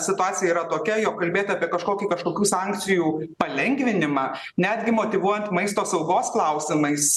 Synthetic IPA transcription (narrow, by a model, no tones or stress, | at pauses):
sʲɪt̪ʊɑːsʲɪjɛiːɾɐt̪oːkʲɛjoːkːɐlʲbʲeːt̪ɑːpʲiɛkɐʃkoːkʲikɐʃkoːkʲuːsɑːŋʲkt͡s̪sʲɪjuːpɐlʲɛŋʲɡʋʲɪnʲɪmɑː | nʲæːd̪ʲɡʲɪmoːt̪ʲɪʋuɔjɛnt̪mɐɪst̪oːsɐʊɡoːsklˠɐʊsʲɪmɐɪs